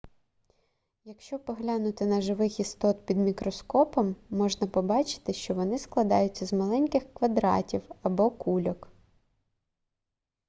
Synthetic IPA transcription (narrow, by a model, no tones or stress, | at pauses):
jɐkʃt͡ʃɔpɔɦlʲanʊt̪ɪnɐʒɪʋɪxist̪ɔt̪pʲid̪mʲikɾɔskɔpɔmːɔʒnɐpɔbɑt͡ʃɪ̥t̪ɪʃt͡ʃɔʋɔnɪsklˠɐd̪ɑjʊt͡sʲːɐzmɐlˠɛnʲkɪxkʋɐd̪ɾɑ̰tʲiwɐbɔkulʲɔk